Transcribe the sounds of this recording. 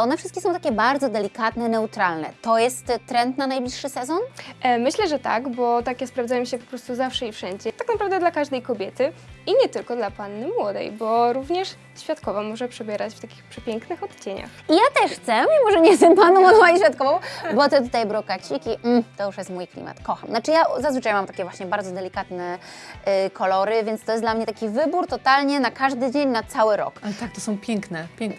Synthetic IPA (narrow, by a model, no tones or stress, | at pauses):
ʔɔnɛfʂst̪kʲɛsɔ̃w̃t̪akʲɛbaɾd̪zɔd̪ɛlʲikat̪nɛnɛut̪ɾalnɛ̰t̪ɔjɛst̪ːɾɛnt̪nanajblʲiʂːɘsɛzɔnmɘɕlɛʐɛt̪a̰ɡbɔt̪akʲɛspɾavzajɔ̃ɕɛpɔ̥pɾɔst̪uzafʂɛifʂɛɲd͡ʑɛt̪aknapɾavd̪ɛd̪lakaʐd̪ɛjkɔbʲjɛt̪ɘiɲɛt̪ɘlkɔd̪lapanːɘmwɔd̪ɛ̰jbɔɾuvɲɛʂ | ɕfʲjat̪kɔvamɔʐɛpʂɛbʲjɛɾat͡ɕft̪akʲi̥xpʂɛpʲjɛŋknɘxɔt̪t͡ɕeɲa̰xʔijat̪ɛʂxt̪sɛmʲimɔʐɛɲɛɛst̪ɛmpanɔ̃w̃ɔd̪ɔ̃waɲiɕfʲat̪̚kɔvɔ̃w̃bɔt̪ɛt̪̬ut̪ajbɾɔkat͡ɕikʲim̩t̪ɔjuʂjɛst̪mujklʲḭma̰t̪kɔxamnat͡ʂɘjazazvɘt͡ʂajmamt̪ḁkʲɛvwaɕɲɛbaɾd̪zɔd̪ɛlʲikat̪nɛ | kʰɔlɔɾɘvʲjɛnst̪ɔjɛsd̪lamɲɛt̪akʲivɘbuɾt̪ɔt̪alɲɛnakaʐd̪ɘd͡ʑeɲnat̪sawɘɾɔ̰kalɛt̪ak̚t̪ɔsɔ̃w̃pʲjɛŋknɛpʲɛŋk